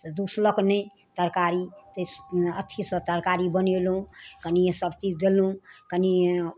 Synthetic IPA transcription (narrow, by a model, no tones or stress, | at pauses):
t̪d̪usləknəj | t̪əɾkaɾit̪əət̪ʰisə̃t̪əɾkaɾibənelũkənĩsəbt͡ʃid͡ʒd̪elɦũkəni